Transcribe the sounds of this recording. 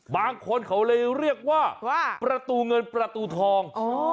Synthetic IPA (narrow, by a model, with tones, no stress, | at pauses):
baː˧ŋkʰo˧nkʰa˨˦wlɤː˧jɾi˥˩ək̚waː˥˩wa˥˩pɾa˧t̪uː˧ŋɤ˧npɾa˧t̪uː˧t̪ʰɔː˧ŋʔoː˨˦